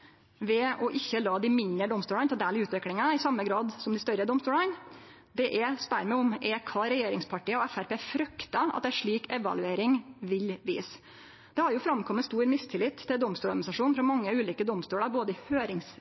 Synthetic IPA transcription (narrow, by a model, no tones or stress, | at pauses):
ʋɛɔʔɪçːəlɑːd̪ɪmɪnd̪ɾəɖ̪ɔmst̪uːlɑnt̪ʰɛd̪æːlɪʉːt̪ʋɪklɪŋɑɪsɑmːəɡɾɑːd̪sɔmd̪ɪst̪œɾəd̪ɔmst̪uːlən | d̪ɛʔɛspæɾmɛɪɔmɛkʰɑːɾɛjeːɾɪŋspʰɑʈiːəɔɛfæɾpeːfɾʉkt̪ɑɑ̰t̪d̪æʂɭiːkɛʋɑ̰lʉeːɾɪŋʋɪlʋḭːs | d̪̥ɛhɑɾjʊfɾɑmːkʰɔmːəst̪uːɾmɪst̪ʰɪlɪt̪ʰːɪld̪ɔmst̪uːɑd̪nɪsɑʂuːnfɾɑmɑŋːəʉːliːkəd̪ɔmst̪uːlɑɾboːd̪əɪhøːɾɪŋs